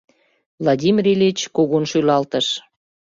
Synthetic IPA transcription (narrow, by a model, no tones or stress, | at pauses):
vlɑdʲimʲiɾelʲet͡ɕkoɣonʃylɑlt̪əʃ